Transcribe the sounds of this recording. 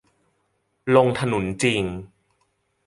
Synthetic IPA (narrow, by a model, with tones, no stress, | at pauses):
lo˧ŋt̪ʰa˧nu˨˩˦nt͡ɕi˧ŋ